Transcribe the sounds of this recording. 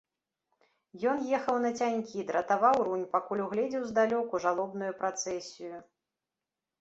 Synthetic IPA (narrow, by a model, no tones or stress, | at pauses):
jɔnjɛxɐwnɐt͡sʲanʲkʲid̪ɾɐt̪avawɾunʲpakulʲuɣlʲɛd͡zʲɛwzd̪alʲɔkuʐalˠɔbnujupɾat̪sɛsʲiju